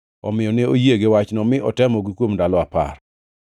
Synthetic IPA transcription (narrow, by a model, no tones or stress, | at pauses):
ɔ̰mɪjɔnɪojeɡɪwat͡ʃnɔmɪʔɔtɛmɔɡikwomdalɔapa̰r